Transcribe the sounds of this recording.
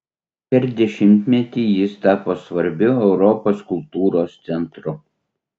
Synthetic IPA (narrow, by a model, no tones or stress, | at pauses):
pʲɛɾd̪ʲɛʃʲɪmʲt̪ʲmʲɛt̪ʲiːjɪst̪ɑːpoːsʋɐɾʲbʲʊɛʊɾɔpoːskʊlˠt̪uːɾoːst̪sʲɛnt̪ɾʊ